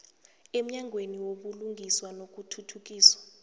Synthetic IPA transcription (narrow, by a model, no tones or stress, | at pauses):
em̩ɲaŋʱweniwoɓuluŋʱiswanok̬utʰutʰuk̬iːswḁ